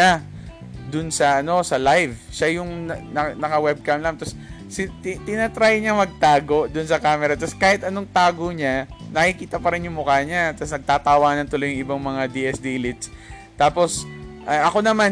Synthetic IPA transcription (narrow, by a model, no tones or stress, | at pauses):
a | d̪ʊnsɐʔɐno̞sɐlajvʃajʊŋnnɐnɐkɐwɛb̚kamlamt̪ɐs | sɪt̪ɪt̪ɪnat̪ɾaːjɲamɐɡ̚t̪aːɡo̞ʔd̪ʊnsɐkaːmɛɾɐt̪ɐskaːhɪt̪ɐno̞ŋt̪aːɡoɲanɐkikiːt̪ɐpɐɾɪnjʊŋmʊkaːɲat̪ɐsnɐɡ̚t̪aːt̪aːwaːnɐnt̪ʊlojʊŋʔɪbaŋmɐŋad̪iʔɛsd̪ilɪt̪s | t̪aːpo̞sʔɐʔɐko̞nɐman